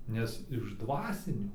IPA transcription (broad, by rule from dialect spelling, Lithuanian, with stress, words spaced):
ˈnʲɛs ɪʃ ˈdʋɑːsʲɪnʲuː